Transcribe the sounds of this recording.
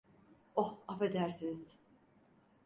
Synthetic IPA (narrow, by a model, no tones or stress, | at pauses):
ohafed̪æɾsiniz̥